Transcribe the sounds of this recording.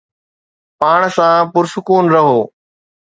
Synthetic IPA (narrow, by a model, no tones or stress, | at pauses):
paːɳ̃sãːpʊɾsʊkuːnɾɐɦoː